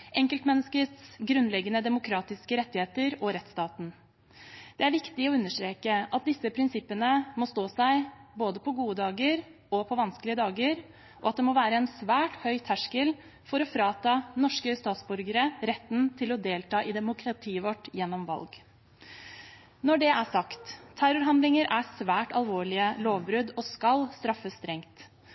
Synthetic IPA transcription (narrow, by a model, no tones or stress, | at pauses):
ʔɛŋkəlt̪mɛnːəskəsɡɾʉnːlɛɡːənəd̪ɛmʊkʰɾɑːt̪ɪskəɾɛt̪ːɪheːt̪əɾɔɾɛt̪ːst̪ɑːt̪n̩ | d̪̥ɛæɾʋɪkt̪ɪɔʉnːəʂʈɾeːkəʔɑt̪̚d̪ɪsəpʰɾɪnsɪpːənəmɔst̪oːsæɪboːd̪əpʰɔɡuːəd̪ɑːɡəɾ | ɔpʰɔʋɑnskəlɪəd̪ɑːɡəɾ | ʔɔɑt̪̚d̪ɛmɔːʋæːɾəɛnsʋæːʈhœʏt̪ʰæʂkəl | fɔɾɔfɾɑːt̪ʰɑːnɔʂkəst̪ɑːt̪sbʉɾɡəɾəɾɛt̪ːnt̪ʰɪlɔd̪eːlt̪ʰɑːʔɪd̪ɛmʊkʰɾɑt̪ʰiːəʋɔʈːjɛnːɔmʋɑ̰lɡ | nɔɖɛʔæʂɑkt̪ʰːæɾʊɾɦɑnd̪lɪŋəɾʔæsʋæːʈɑlʋoːɭɪəloːʋbɾʉd̪ɔskɑlst̪ɾɑfːəst̪ɾɛŋt̪